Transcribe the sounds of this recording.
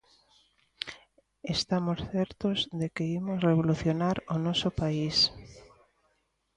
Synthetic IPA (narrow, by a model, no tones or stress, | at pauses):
est̪amosθɛɾt̪ozðekeimosreβoluθjonaɾonɔsopais